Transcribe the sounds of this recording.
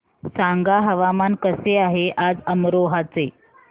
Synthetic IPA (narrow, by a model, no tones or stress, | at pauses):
saŋɡaɦəʋamankəseaɦeʔad͡zəmɾoɦat͡se